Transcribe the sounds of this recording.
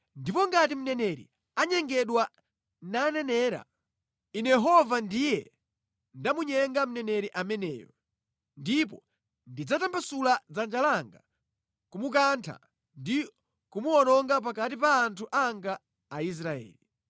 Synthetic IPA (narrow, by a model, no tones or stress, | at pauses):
ndipɔŋɡat̬im̩nɛnɛɾḭ | aɲɛŋɡɛɗwa | nanɛnɛːɾa̰ | inɛjɛɦɔvandijɛ | ndamuɲɛŋɡam̩nɛnɛɾiʔamɛnɛ̰ːjɔ | ndipɔ | ndid͡zatampasulad͡zand͡ʒalaŋɡa | kumuk̬antʰa̰ | ndi | kumuɔnɔŋɡap̬akatipaːntʰuʔaŋɡaː | is̬ɾaɛ̰ːli